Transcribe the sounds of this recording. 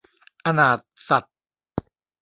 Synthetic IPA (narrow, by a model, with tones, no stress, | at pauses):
ʔa˧naː˨˩t̪̚sa˨˩t̪̚